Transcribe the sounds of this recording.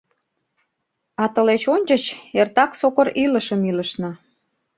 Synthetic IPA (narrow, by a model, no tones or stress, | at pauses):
ɑt̪əlet͡ɕonʲt͡ɕət͡ɕert̪ɑksokəɾiləʃəmiləʃnɤ̆